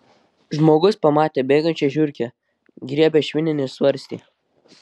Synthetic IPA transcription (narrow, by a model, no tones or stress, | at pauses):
ʒmoːɡʊspɐmɑːt̪ʲeːbʲeːɡɐnʲt͡ʃʲɛʒʲʊɾʲkʲɛ | ɡɾʲiɛbʲɛʃʲʋʲɪnʲɪnʲɪsʋɐɾʲsʲt̪ʲḭː